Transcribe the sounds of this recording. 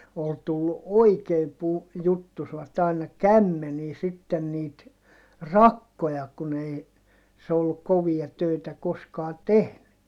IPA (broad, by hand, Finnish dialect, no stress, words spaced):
ol tulːu oikeːm pu jutːusʋɑt ɑinɑ kæmːeniː sitːen niːt rɑkːojɑ kun ei se olːuk koʋiɑ tøˑitæ koskɑː tehny